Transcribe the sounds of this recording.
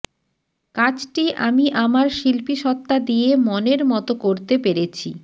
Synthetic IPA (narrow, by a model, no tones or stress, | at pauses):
kad͡ʑʈiʔamiʔamaɾʃilpiʃɔt̪ːad̪ijemɔneɾmɔt̪okoɾt̪epeɾet͡ɕʰi